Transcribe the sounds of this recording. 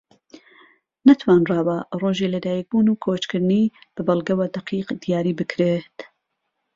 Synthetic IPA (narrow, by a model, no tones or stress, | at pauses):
nɐt̪ʰwaːnraːwɐroːʒiːlɐd̪aːjik̚buːnuːkʰoːt͡ʃkɨɾnib̥ɨbɐlˠɡɐwɐd̪ɐqʰiːqd̪ijaːɾiːbɨkʰɾet̪